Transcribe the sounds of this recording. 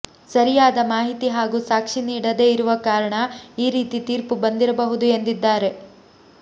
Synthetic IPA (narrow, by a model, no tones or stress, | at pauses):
sɐɾijaːd̪ɐmaːɦit̪iɦaːɡuːsaːkʂiniːɽɐd̪e̞ːiɾuʋɐkaːɾɐɳɐiːɾiːt̪it̪iːɾpubɐnd̪iɾɐbɐɦud̪ue̞nd̪id̪ːaːɾe̞